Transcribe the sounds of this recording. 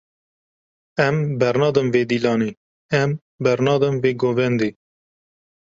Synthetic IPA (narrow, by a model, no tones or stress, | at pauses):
ɛmbɛɾnɑːd̪ɨmveːd̪iːlɑːneː | ɛm | bɛɾnɑːd̪ɨmveːɡoːvɛnd̪eː